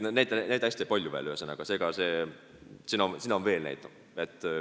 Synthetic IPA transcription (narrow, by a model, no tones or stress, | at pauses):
nonejd̪ænejd̪æsʲt̪iepɑlʲjuvḛløøsenɑɡ̥ɑse̞ːɡ̥ɑse̞ː | sinɑonsinɑonve̞ːlnæ̰jt̪ːˑɑv | et̪ˑː